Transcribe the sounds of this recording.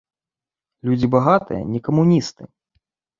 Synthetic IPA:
lʲud͡zʲibaɣat̪ɨ̰jɐ̰nʲɛkɐmunʲist̪ɨ

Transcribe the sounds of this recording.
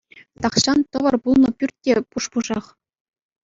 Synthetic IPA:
t̪ɑχɕɑnt̪ɤ̆ʋɤ̆rpulˠnɤ̆pʲyrʲt̚ʲtʲːepuʂpuʐɑχ

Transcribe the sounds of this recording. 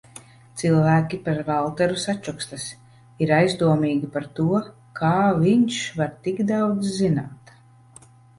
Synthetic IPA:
t̪silˠvæːkʲipaɾvalˠt̪ɛɾusat͡ʃːɔkst̪as | iɾajzd̪uɔmiːɡʲipaɾt̪uɔ | kʰaːviɲʃvaɾt̪iɡd̪awd̪zzina̰ːt̪

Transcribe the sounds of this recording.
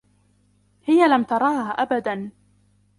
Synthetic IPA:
hɪjalamt̪ɑɾˤɑːhaʔabad̪an

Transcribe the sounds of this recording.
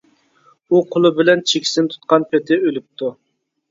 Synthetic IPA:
uqʰolˠʊbɪlɛnt͡ʃʰekʲʰi̥sɪnt̪ʰu̥t̪̚qɑnpʰet̪ʰɪølyp̚t̪ʰu

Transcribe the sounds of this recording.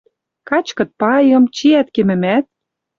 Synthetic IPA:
kɑt͡ɕkɤ̆t̪̚pɑjɤ̆mt͡ɕiæt̪̚kemɘ̆mæt̪̚

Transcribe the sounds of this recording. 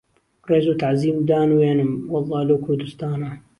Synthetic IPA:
reːzuːt̪aʕziːmd̪aːnweːnɨmwɑlˤːɑːhlɐwkʰʊɾd̪ɨst̪aːna

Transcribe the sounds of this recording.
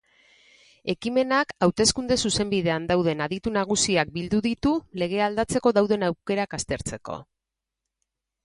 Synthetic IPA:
e̞kime̞nakawt̪e̞skund̪e̞suse̞mbiðe̞and̪awð̞e̞naðit̪unaɣ̞usiak̚bild̪uðit̪ule̞ɣ̞e̞ald̪at͡se̞ko̞ðawðe̞nawke̞ɾakast̪e̞ɾt͡se̞ko̞̰

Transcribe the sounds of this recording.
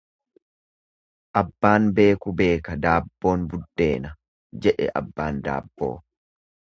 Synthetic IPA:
ʔɐbːaːnbe̞ːkʊbe̞ːkɐd̪aːbːo̞ːnbʊd̪ːe̞ːnɐ | d͡ʒɛᶑɛ̰ʔɐ̰bːaːnd̪a̰ːbːo̞̰ː

